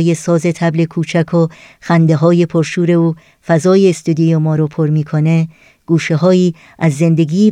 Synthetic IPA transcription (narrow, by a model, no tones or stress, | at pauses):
je̞sɒːze̞t̪ʰæble̞kʰuːt͡ʃʰækʰo | xænd̪eɦɒːje̞pʰoɾʃuːɾe̞uː | fæzɒːjeːst̪ud̪ijemɒːɾopʰoɾmiːkʰone̞ | ɡ̥uːʃeɦɒːiː | æzːe̞nd̪e̞ɡiː